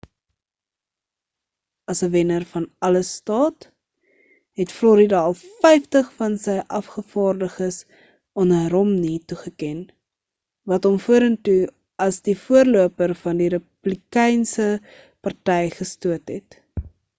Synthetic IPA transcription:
ɐsəvɛnərfɐnɐləstɑːt | ɦɛtflɔɾidɑlˠfɛjftəχfɐnsɛjʔɐfχəfɑːrdəχəs | ɔnɾɔmnituχəkɛn | vɐtɔmfuəɾəntu | ɐsdifuərluəpərfɐndiɾəpb̥likɛjnsə | pɐrtɛjχəstuətɦɛt

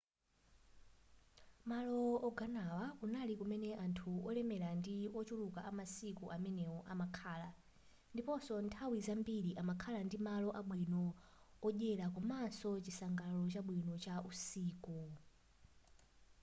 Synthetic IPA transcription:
malɔːɡanawakunalikumɛnɛʔantʰuɔlɛmɛlandiɔt͡ʃulukaʔamasikuʔamɛnɛɔʔamakʰaːla | ndipɔsɔntʰawizambiɾiʔamakʰalandimalɔʔaɓwinɔ | ɔʄɛlakumansɔt͡ʃisaŋɡalɔt͡ʃaɓwinɔt͡ʃausiːku

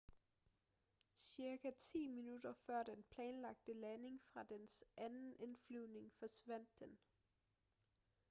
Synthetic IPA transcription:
siɐɡ̥æt͡sʰḭːminud̥ɐfɶɐ̰d̥enpʰlɛːnlɑ̈ɡ̥̚d̥əlæne̝ŋfʁɑ̈d̥ensʔænn̩e̝nflyðne̝ŋfɒ̽sʋæn̰d̥ːen

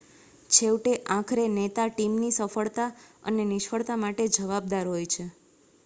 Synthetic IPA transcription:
t͡ʃʰewʈeʔãkʰɾenet̪aʈimnisəfəɭt̪aə̰nenɪʃfəɭt̪amaʈed͡ʒəʋab̚d̪aɾɦojt͡ʃʰe

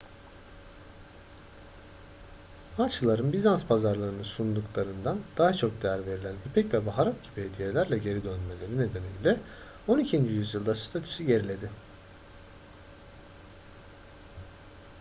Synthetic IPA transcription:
at͡ʃʰɯlˠaɾɯnbizanspʰazaɾlˠaɾɯnɯsund̪uklˠaɾɯnd̪and̪̥aɦat͡ʃʰo̞k̚d̪ejæɾve̞ɾilʲænbypʰɛcvɛbaɦaɾat̪̚ɟibihed̪ije̞lʲæɾlʲɛɟe̞ɾid̪ønme̞lʲe̞ɾine̞d̪e̞niilʲɛ | o̞nicʰind͡ʒijyzjɯlˠd̪ast̪ʰat̪ʰy̥syɟe̞ɾilʲe̞d̪ɪ

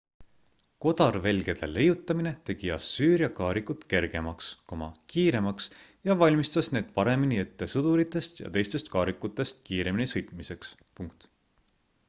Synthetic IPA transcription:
ko̞d̪̥ɑrve̞lɡe̞d̪̥e̞le̞jut̪ːˑɑmine̞t̪e̞ɡ̥iɑ̰sːyːɾjɑkɑːɾikut̪ke̞rɡ̥e̞mɑksko̞mɑ̰kiːɾe̞mɑks | jɑvɑlʲmist̪ɑsne̞ːd̪̥pɑɾe̞miniet̪ːe̞sɤd̪̥uɾit̪ːˑe̞st̪jɑ̰t̪e̞jst̪e̞st̪̚kɑːɾikːˑut̪ːˑe̞st̪kiːɾe̞minisɤ̞jt̪ˑmise̞ks | puŋkt̪

